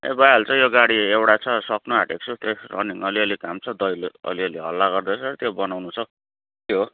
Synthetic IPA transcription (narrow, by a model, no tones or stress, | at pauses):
ḛbajɦalut͡sʌ̃joɡaɽiewɽat͡sʰʌsʌknuɦaʈek̚t͡sʰut̪erʌ̰niŋʌliʌlikamt͡sʰʌd̪ʌjlʌ̰liʌliɦʌlːaɡʌrd̪et͡sʰʌt̪jobʌnawnut͡sʰʌ | kjɦo